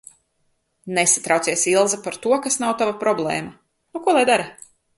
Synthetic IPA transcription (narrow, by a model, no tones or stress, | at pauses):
nesḁt̪ɾawt̪siɛsilˠzapaɾt̪uɔkasnawt̪avapɾɔblˠḛːma | nukuɔlˠajd̪aɾa